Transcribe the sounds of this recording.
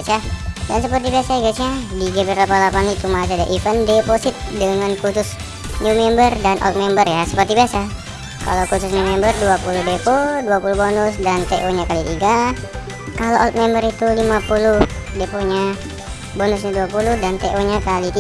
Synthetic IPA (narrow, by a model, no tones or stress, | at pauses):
at͡ʃadansəpərt̪ibiasaiɡat͡ʃadiɡabəɾapalapanit̪umasadaʔifəndeposɪt̪̚dəŋankusʊs | numɛmbərdanʔɔ̰lt̪̚mɛmbərjasə̥pərt̪ibiasa | ka̰lokusʊsnumɛmbərduapuluhdepoduapulubonʊsdant̪eʔoɲakalit̪iɡa | kaloʔɔlt̪̚mɛmbəɾit̪ulimapulu | depoɲa | bonʊsɲaduapuluhdant̪eʔoɲakalit̪i